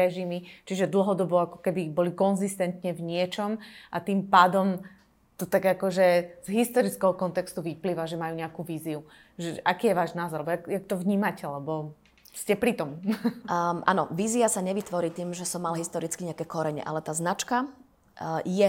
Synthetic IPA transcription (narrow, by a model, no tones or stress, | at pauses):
ɛʒimit͡ʃiʒɛd̪l̩ɦɔd̪ɔbɔakɔ̥kɛbibɔlikɔnzist̪ɛnt̪ɲɛvɲɪɛt͡ʃɔmʔat̪iːmpaːd̪ɔm | t̪ɔt̪aɡakɔʒɛz̥ɦist̪ɔɾit͡skɛɦɔkɔnt̪ɛkst̪uʋipliːʋaʒɛmajuːɲɛakuʋiːziu | ʒɛʔakiːjɛʋaːʒnaːzɔɾlɛbɔjakjak̚t̪ɔvɲiːmacɛlɛbɔ | scɛpɾit̪ɔm | ʔa̰nɔʋiːziasaɲɛʋit̪ʋɔɾiːt̪iːmʒɛsɔmːalɦist̪ɔɾit͡skiɲɛakɛːkɔɾɛɲɛ̰ʔa̰lɛt̪aːznat͡ʃka | jɛ